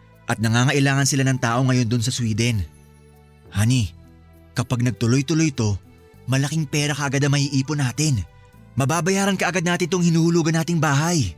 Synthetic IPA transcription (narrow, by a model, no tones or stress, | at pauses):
ʔɐt̪̚nɐŋaːŋɐʔɪlaːŋɐnsɪlanɐŋt̪aːʔo̞ŋɐjo̞nd̪ʊnsɐswiːd̪ɛn | haːni | kɐpaɡ̚nɐɡ̚t̪ʊlo̞jt̪ʊlo̞jt̪o̞ | mɐlɐkɪŋpɛːɾɐkɐʔɐɡad̪ɐŋmːɐhiːʔiːponaːt̪ɪn | mɐbaːbɐjaːɾɐnkɐʔɐɡad̪̚naːt̪ɪnt̪oŋhɪnuːhʊluːɡɐnːaːt̪ɪŋbaːɦɐj